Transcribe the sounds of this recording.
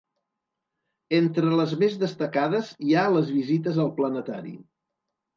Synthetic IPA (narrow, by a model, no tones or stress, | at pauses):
ent̪ɾələzmezðəst̪əkaðəzialəzβizit̪əzəlˠplənət̪aɾḭ